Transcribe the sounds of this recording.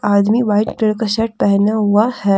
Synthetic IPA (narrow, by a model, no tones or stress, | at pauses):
aːd̪miʋaːɪʈʈɪɽkaʃɐʈ̚pɛɦnaɦuahɛː